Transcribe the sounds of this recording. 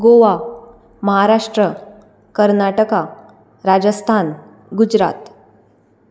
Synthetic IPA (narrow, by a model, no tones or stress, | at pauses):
ɡoʋa | məɦaɾaʂʈɾə | kəɾnaʈəka | ɾad͡ʑəst̪ʰan | ɡud͡ʑɾa̰t̪